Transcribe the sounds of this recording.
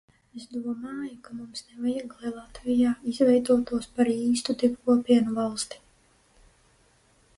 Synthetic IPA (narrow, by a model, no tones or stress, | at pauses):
esd̪uɔmaːjukamumsnevajaɡlˠɛlˠat̪vijaːizvɛjd̪uɔt̪uɔspaɾiːst̪ud̪ibkuɔpiɛnuvɑlˠst̪i̥